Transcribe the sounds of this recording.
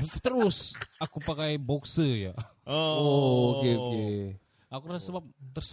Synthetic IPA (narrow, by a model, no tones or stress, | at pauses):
t̪əɾʊsakupakajbɔksəja̰ | ookeoke | akuɾasəbap̚t̪ərs